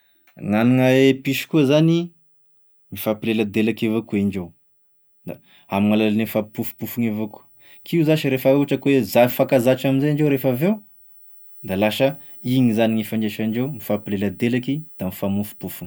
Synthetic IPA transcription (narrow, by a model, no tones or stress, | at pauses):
ŋaniŋaepiʃi̥kuəzani | mifapileləd̪elakevakueɳɖ͡ʐew | d̪a | amiŋalalnemifapufu̥pufuŋevaku̥ | kʰiuzaʃiɾefauaʈ͡ʂəkwezaifakazaʈ͡ʂaminzaaɳɖ͡ʐeuɾefaveu | d̪alaʃə | iŋizaniŋifaɳɖ͡ʐeʃaɳɖ͡ʐewmifapileləd̪elakid̪̥amifamufu̥pufuŋ